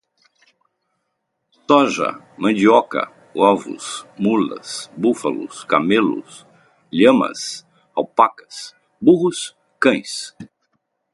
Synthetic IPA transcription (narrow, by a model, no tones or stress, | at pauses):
t̪ɔʒɐ̰ | mɐ̃d͡ʒiɔkɐ̰ | ɔvʊ̰smulɐ̰sbufɐ̰lʊ̰skamelʊ̰s | ʎɐ̃mɐ̰s | awpakɐ̥s | buhʊs | kɐ̃j̃s